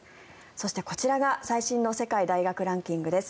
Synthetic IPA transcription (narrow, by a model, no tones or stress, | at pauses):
so̞ɕi̥t̪e̞ko̞t͡ɕiɾaɡasaiɕĩnːo̞se̞kaid̪aiɡakɯ̟ɾãŋkʲĩŋɡɯ̟d̪e̞sɨ̥